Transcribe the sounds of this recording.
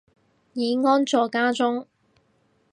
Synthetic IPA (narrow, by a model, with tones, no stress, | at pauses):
jiː˨˧˥ŋɔː˥nt͡sɔː˨˧kaː˥t͡sʊ˥ŋ